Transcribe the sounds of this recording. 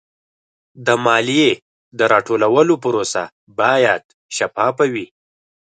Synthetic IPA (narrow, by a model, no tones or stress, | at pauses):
d̪əmɑlije | d̪əɾɑʈolawəlopəɾosa̰ | bɑjad̪̚ | ʃapɑpawi